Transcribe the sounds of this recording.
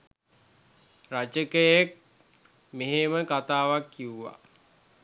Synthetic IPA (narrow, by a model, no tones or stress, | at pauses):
rat͡ʃəkəjek̚ | meɦeməkat̪aːʋakːiuʋa̰